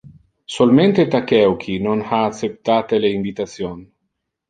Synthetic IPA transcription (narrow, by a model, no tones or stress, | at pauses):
solment̪et̪akɛwkʰinonhaːt̪sep̚t̪aːt̪eleiɱvit̪at̪sjon